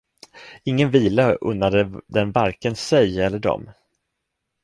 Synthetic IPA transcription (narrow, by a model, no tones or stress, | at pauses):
ɪŋːənviːlaʔɵ̰nːad̪əd̪ɛnvaɾkənsɛjɛlːəɖɔ̰m